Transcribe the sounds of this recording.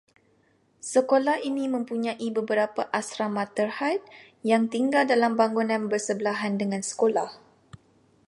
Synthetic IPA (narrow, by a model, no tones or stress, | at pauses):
səkolahinĩmə̃mpuɲãʔibəbəɾapaʔasɾamãt̪ərhat̪̚ | jaŋt̪iŋɡaldalambaŋɡunãnbərsəbəlaɦandəŋãnsə̥kolah